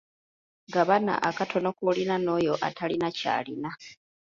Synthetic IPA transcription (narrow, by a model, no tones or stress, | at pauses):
ɡaβana̰ʔakatʰo̞nokulinano̞ːjo̞ʔa̰tʰalinaca̰ːlina